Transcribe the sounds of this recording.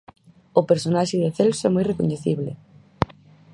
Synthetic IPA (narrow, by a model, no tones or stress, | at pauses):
ʊpeɾsonaʃɪðeθelsoɛmɔjrekoɲeθiβlɪ̰